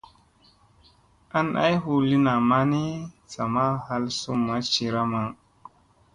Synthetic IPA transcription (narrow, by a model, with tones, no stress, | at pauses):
a˦nʔa̰˦jɦu˦li˦na˨ma˦ni˦ | sa˨ma˦ha˦lsu˦mːa˦t͡ʃi˧ɾa˦ma˨ŋ